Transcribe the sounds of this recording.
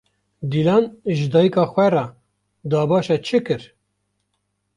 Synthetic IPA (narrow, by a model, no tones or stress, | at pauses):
d̪iːlɑːnʒɨd̪ɑːjikɑːxʷɛrɑ | d̪ɑːbɑːʃɛt͡ʃʰɨkɨɾ